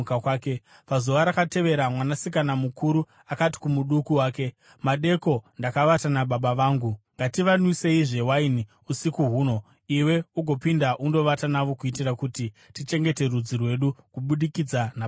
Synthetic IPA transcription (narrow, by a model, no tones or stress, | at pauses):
kakwaːke | pazoʋaɾakate̞ʋe̞ɾamwanasikanamukʰuɾu | akati̥kumuɗukuwaːke̞ | maɗe̞ko̞ndakaʋatanaɓaɓaʋaːŋɡuŋɡatiʋanwise̞iʐe̞waini | usikuɦuːno̞ | iwe̞uɡʱo̞pindaʔundo̞ʋatanaʋo̞kuitirakuti | tit͡ʃe̞ŋɡe̞te̞rud͡zirwe̞ɗukuɓuɗikid͡zana